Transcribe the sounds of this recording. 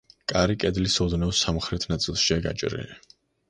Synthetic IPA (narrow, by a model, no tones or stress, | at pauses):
kʼaɾikʼɛd̪lisɔd̪nɛvsamχɾɛt̪ʰnat̪sʼilˠʃiaɡa̰t͡ʃʼɾɛ̰i